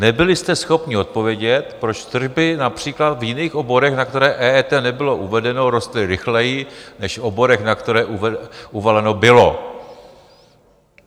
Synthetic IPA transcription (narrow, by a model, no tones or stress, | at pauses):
nɛbɪlɪst̪ɛsxo̞pɲɪot̪̚po̞vjɛɟɛt̪pɾo̞t͡ʃt̪r̩ʒbɪnapr̝̥iːklat̪vjɪniːxʔobo̞ɾɛxnak̚t̪ɛɾɛːʔɛːɛːt̪ɛnɛbɪlo̞ʔuvɛdɛno̞ɾo̞st̪lɪɾɪxlɛjɪnɛʃobo̞ɾɛxnakt̪ɛɾɛːʔuvɛuvalɛno̞bɪlo̞